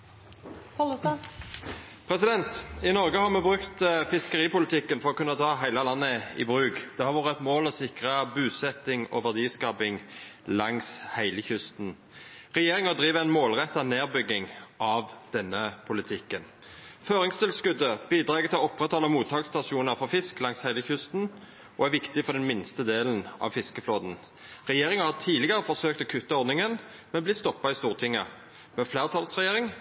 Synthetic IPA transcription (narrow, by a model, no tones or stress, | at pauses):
s | pʰʁɛsɪd̪ɛnt̪ɪnɔʁɡəhɑʁmɛbʁʉkt̪fɪskəʁiːpʊlɪt̪ʰɪkːənfɔʁɔkʰʉnːət̪ʰɑːɦæɪləlɑnːəɪ̰bʁʉːɡd̪ɛhɑɾʋɑːʁəɛt̪moːlɔsɪkʁəbʉːsɛt̪ːɪŋɔ̰ʋæʁd̪iːskɑːpɪŋlɑŋshæɪləçʏst̪n | ʁɛjeːʁɪŋəd̪ʁiːʋəæɪnmoːlʁɛt̪ːɑneːʁbʏɡːɪŋʔɑʋd̪̥ɛnːəpʰʊlɪt̪ʰɪkːən | føːʁɪŋst̪ʰɪlskʉd̪əb̥iːd̪ɾɑːɡət̪ʰɪlɔpːʁɛt̪hɑləmuːt̪ʰːɑːkst̪ɑsuːnəɾfɔfɪsklɑŋshæɪləçʏst̪n̩ | ɔæʁʋɪkt̪ɪfɔʁd̪ɛnmɪnst̪əd̪eːln̩ʔɑ̰ʋfɪskəfloːd̪n̩ | ʁɛjeːʁɪŋɑhɑt̪ʰiːlɪɡəɾəfɔsøːk̚t̪oːkʰʉt̪ːəɔɾd̪nɪŋən | mɛnblɪst̪ɔpːɑist̪uːʁt̪ʰɪŋːə | mɛflæːʁət̪ʰɑlsʁɛjeːɾʁɪŋ